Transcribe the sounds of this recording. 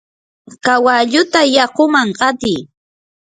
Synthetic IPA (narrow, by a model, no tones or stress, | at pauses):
kawaʎʊt̪ajɑqʊmaɴɢɑt̪ɪj